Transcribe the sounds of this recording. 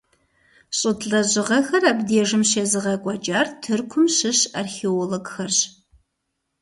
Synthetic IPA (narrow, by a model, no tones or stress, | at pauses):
ɕʼʊtʰɮɐʑɪʁɐxɐrabdeːʐɨmɕeːzɨʁɐkʷʼɐt͡ʃʼaːrtʰɨrkʷʰʊmɕɨɕaːrxeoloɡxɐrɕ